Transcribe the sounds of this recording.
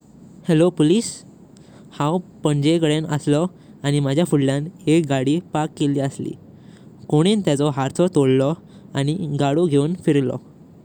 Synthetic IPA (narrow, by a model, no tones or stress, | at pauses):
helopoliːs | hãwpəɳd͡ʑekəɭenə̰slɔ | añimad͡ʑʱjafuɽljãnekɡaɽiːpakːeliːəslḭː | koɽ̃ent̪jat͡sɔɦaɾt̪ʰɔt̪oɽlɔ | añiɡaɽoɡʱeunfiɾlɔ̰